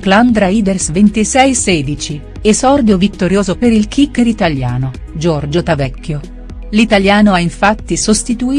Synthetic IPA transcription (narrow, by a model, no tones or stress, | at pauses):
kland̪ɾaiːd̪ersvent̪isɛjsɛːd̪it͡ʃi | esɔrd̪jovit̪ːoɾjoːzopeɾilkʰikːeɾit̪alja̰ːno | d͡ʒɔrd͡ʒot̪avɛkːjo | lit̪aljaːnoaiɱfat̪ːisost̪it̪uiː